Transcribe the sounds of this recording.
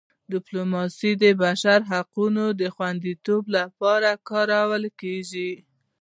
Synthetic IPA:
d̪ɪplomɑsid̪əbaʃaɾɦaqunod̪əxwand̪it̪oblapɑɾakɑɾawəlkeʒi

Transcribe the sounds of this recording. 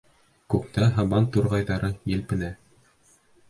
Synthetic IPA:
kʉk̚t̪æɦɑβɑnt̪uɾʁɑjðɑɾɤjɘ̆lpɘ̆næ

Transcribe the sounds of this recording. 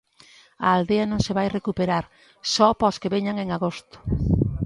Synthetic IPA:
ɐald̪eɐnõŋseβajrekupeɾaɾ | sɔpɔskeβeɲaŋeŋaɣost̪ʊ̥

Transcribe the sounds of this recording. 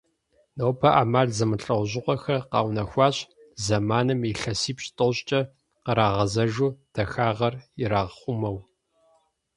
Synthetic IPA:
nɐwpʰɐʔaːmaːɮzɨmɨɬʼɐwʷʑɪqʷɔxɐqɑ̰ːwnɐxʷɑːɕ | zɐmaːnɨmiɬɐsiːpɕtʼɨɕt͡ʃʼɐ | qəɾaːʁɐzɐʒuːd̥ɐxaːʁɐrjɪɾaːʁχʷʊmɐw

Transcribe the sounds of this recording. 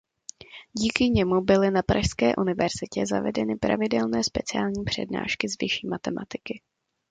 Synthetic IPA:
ɟiːkɪɲɛmubɪlɪnapɾʔaʃskɛːʔunɪvɛɾz̥ɪcɛza̰vɛ̰dɛnɪpɾa̰vɪdɛlnɛːspɛt͡sɪaːlɲiːpr̝̥ɛ̰dna̰ːʃkɪzvɪʃiːmat̪ɛmʔa̰t̪ɪkɪ

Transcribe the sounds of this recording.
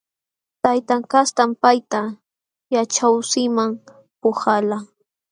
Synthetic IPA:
t̪ajt̪aŋkast̪ampajt̪a | jat͡ʃawsɪmaŋ | pʊhala

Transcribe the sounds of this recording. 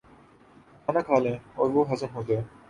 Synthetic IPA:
kaːnakʰaːlẽːɔːɾʋoɦɐzəmɦoːd͡ʒaeː

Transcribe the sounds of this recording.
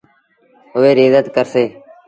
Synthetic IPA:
ɦʊʋeːɾeːzət̪kəɾseː

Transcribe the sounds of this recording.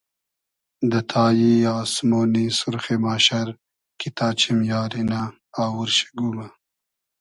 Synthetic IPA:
d̪ət̪ʰɑːjiɑːsmoːnisʊɾxemaːʃaɾ | kit̪ʰaːt͡ʃʰimjɑːɾinaː | wuɾʃe̥ɡuma

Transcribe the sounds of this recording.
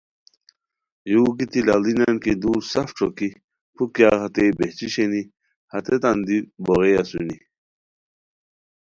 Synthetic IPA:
juːkit̪ilalinankid̪uːɾsɐfʈ͡ʂʰoki | pʰukjaːhɐt̪ebeht͡ɕiɕeni | hɐt̪et̪and̪iboɣejɐsuni

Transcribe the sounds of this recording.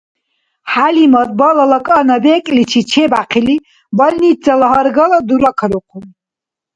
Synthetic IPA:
ħalimɔd̪̚bɔlalakʼanabɛːkʼlit͡ʃʰit͡ʃʰɛbaqʰili | bɔlnit̪d͡zalaɦɔɾɡalad̪uɾakʰɾuqʰum

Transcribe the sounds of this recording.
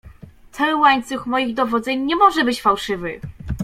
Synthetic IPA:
t̪ʰɛwaɲt̪suxmɔjiɣd̪ɔvɔd̪zɛɲɲɛmɔʐɛbɘt͡ɕfawʂɘvɘ

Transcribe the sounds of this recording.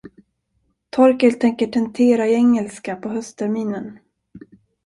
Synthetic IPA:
t̪ʰɔɾkəlt̪ʰɛŋkəʈʰɛnt̪ʰeːɾaɪɛŋːɛlskapʰɔɦœst̪ʰæɾmiːnən

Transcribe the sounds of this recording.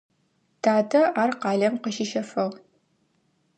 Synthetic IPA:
tʰaːdɐaːrqɑːɮɐmqəʃɪʃɐfɐʁ

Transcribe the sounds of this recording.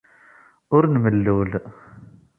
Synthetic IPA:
ʊɾnməlːul

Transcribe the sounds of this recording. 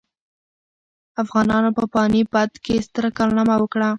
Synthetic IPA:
afɣɑnɑnopəpɑnipad̪kest̪əɾkɑlnamawəkɽa

